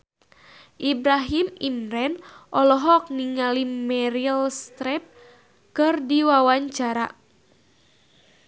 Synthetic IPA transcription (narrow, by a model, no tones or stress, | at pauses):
ʔibɾaɦimimɾɛnʔɔlɔɦɔk̚niŋalimɛɾilst̪ɾɛp̚ | kɨrdiwawaɲt͡ʃaɾa